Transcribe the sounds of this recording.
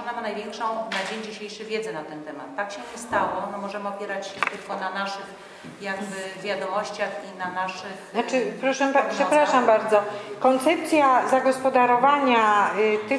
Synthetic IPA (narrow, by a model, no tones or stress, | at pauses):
mamanajvʲjɛŋkʂɔ̃w̃nad͡ʑeɲd͡ʑiɕejʂɘɣvʲjɛd̪zɛnat̪ɛnt̪ɛma̰t̪ːakɕɛɲɛst̪awɔnɛmɔʐɛmɘɔpʲjɛɾat͡ɕɕɛt̪ɘlkɔnanaʂɘx | jaɡ̚bɘvʲjad̪ɔmɔɕt͡ɕaxinanaʂɘxat͡ʂɘpɾɔʂɛapʂɛpɾaʂambaɾd̪zɔkɔnt̪sɛp̚t̪sʲjazaɡɔspɔd̪aɾɔvaɲat̪ɘ